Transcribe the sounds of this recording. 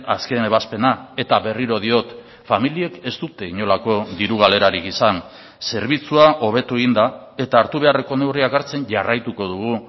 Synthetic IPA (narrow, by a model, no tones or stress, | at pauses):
aske̞ne̞βaspe̞nae̞t̪aβe̞riɾo̞ð̞io̞t̪ | familie̞ke̞st̪ut̪e̞iɲo̞lako̞ðiɾuɣ̞ale̞ɾaɾikisan | se̞ɾβit͡suaʔo̞β̞e̞t̪ue̞ɣind̪a | e̞t̪aːɾt̪uβe̞are̞ko̞ne̞wriakaɾt͡se̞ɲʝarajt̪uko̞ð̞uɣ̞u